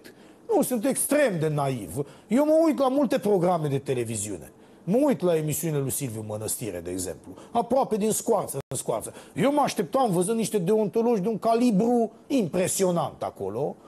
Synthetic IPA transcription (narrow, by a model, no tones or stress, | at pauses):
t̪ | nusunt̪ekst̪ɾemd̪enaḭvjewməujt̪lamult̪e̞pɾo̞ɡɾamed̪et̪ele̞viziṵnḛ | məujt̪laemisiunelujsilviumənəst̪ḭɾed̪eeɡzḛmpluapɾoaped̪inskwart̪sənskua̰rt̪səjewmaʃt̪ep̚t̪aɨnvəzɨnniʃt̪ed̪eont̪oloʒd̪euŋkalibɾu | impɾesio̞nant̪a̰ko̰lo